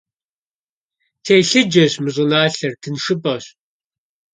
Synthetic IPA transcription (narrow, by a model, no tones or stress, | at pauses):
tʰeːjɬɨd͡ʒɐɕmɨɕʼʊnaːɬɐrtʰɨnʂɨpʼɐɕ